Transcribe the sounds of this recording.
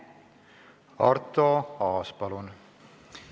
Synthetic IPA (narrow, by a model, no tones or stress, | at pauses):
ɑ̰rt̪oɑːspɑlun